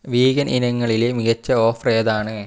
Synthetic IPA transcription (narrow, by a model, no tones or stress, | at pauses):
ʋiːɣɐnʔinɐŋːɐɭilemiɣɐt͡ɕːɐoːfreːðaːɳɨ